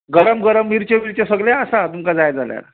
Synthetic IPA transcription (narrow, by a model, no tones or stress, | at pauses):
ɡəɾəmɡəɾəmːiɾt͡ɕemiɾt͡ɕesəɡleasat̪umkad͡zajd͡zalja̰ɾ